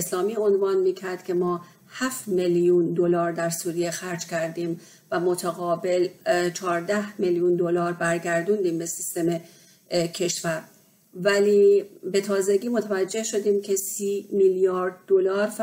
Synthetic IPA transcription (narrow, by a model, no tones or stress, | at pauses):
eslɒːmiːo̞nvɒːnmiːcʰæɾd̪̥cʰʲe̞mɒː | hæft̪meljund̪olɒːɾd̪æɾsuːɾijexæɾd͡ʒcʲʰæɾd̪iːm | væmot̪ʰæɣɒːbe̞lt͡ʃʰɒːɾd̪æhmeljund̪olɒːɾbæɾɟæɾd̪und̪iːmbe̞sist̪e̞me | cʰe̞ʃvæɾ | væliːbe̞t̪ʰɒːze̞ɟiːmo̞t̪ʰævæd͡ʒːe̞hʃo̞d̪iːmcʰe̞siːmiljɒːɾd̪̚ːolɒːɾf